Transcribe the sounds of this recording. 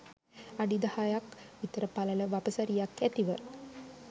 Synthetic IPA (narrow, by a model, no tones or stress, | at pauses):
aɖid̪ahajakʋit̪əɾəpalələʋapəsaɾijakːæt̪iʋə